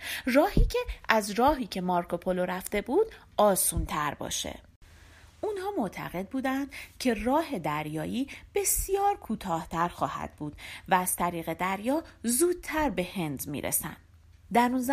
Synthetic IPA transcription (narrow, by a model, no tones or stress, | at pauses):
rɒːhiːcʰe̞ʔæzrɒːɦiːcʰe̞mɒɾkʰo̞pʰo̞loɾæft̪e̞buːd̪ | ɒːsuːnt̪ʰæɾbɒ̰ːʃḛ | ʔunhɒːmo̞t̪ʰæ̰ɣe̞d̪̚buːd̪ænd̪̥cʰe̞rɒːɦe̞d̪æɾjɒːjiːb̥e̞sijɒːɾkʰuːt̪ʰɒːht̪ʰæɾxɒːhæ̰d̪̥buːd̪̥væːz̥t̪ʰæɾiːɣe̞d̪æɾjɒːzuːd̪̥̚t̪ʰæɾbe̞he̞nd̪mḭːɾʔḛsæ̰nd̪ | d̪æɾunz